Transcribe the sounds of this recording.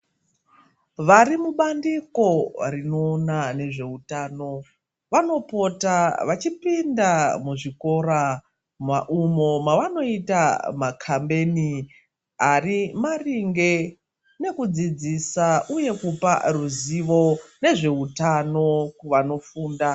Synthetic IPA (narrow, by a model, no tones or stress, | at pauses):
ʋaɾimuɓandiko̞rino̞ːnane̞ʐe̞utaːno̞ | ʋano̞po̞taʋat͡ʃipindamuʐiko̞ɾa | maʔumo̞maʋano̞itamakʰambe̞ni | arimariŋɡe̞ | ne̞kud͡zid͡zisauje̞kupa̰ruziʋo̞ne̞ʐe̞utano̞kuʋano̞fuːnda